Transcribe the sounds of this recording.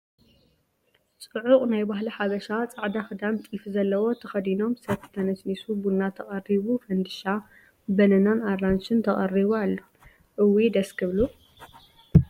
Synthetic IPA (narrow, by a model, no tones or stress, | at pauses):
t͡sʼɨʕʊqʼnajbaɦliħaβɐʃat͡sʼaʕd̪axɨd̪ant̪ʼifzɐlːɐwo̞t̪ʰɐxɐd̪ino̞msɐβt̪ʰt̪ʰɐnɐsnisubunːat̪ʰɐχʼɐriβufɐnd̪ɨʃa | bɐnɐnanarant͡ʃɨnt̪ʰɐχʼɐriβualːo | ʔɨwːid̪ɐskʰɨβlu